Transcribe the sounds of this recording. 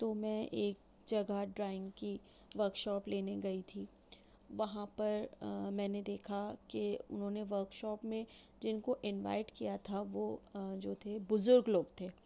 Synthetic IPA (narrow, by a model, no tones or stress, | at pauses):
t̪oːmɛ̃ʔeːk̚ | d͡ʒɐɡaɖɾaːɪ̃ŋɡki | ʋɐɾkʃɔːpleːneɡɐit̪ʰiː | ʋɐɦãpɐɾmɛ̃ːned̪eːkʰakeʊ̰nɦõːneʋəɾkʃɔːpmẽ | d͡ʒɪnkoʔɪnʋa̰ːɪʈkijat̪ʰaʋoːd͡ʒoːt̪ʰebʊzʊɾɡloːɡt̪ʰeː